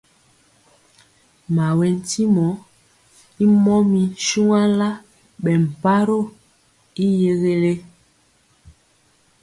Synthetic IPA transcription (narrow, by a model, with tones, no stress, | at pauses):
ma˨we˨n˦ti˦mɔ˨˦ | i˦mɔ˦mi˨ʃu˦ŋa˦la˦ | ɓɛ˨m̩˨pa˦ɾo˦˨ | i˦je˦ɣe˦le˦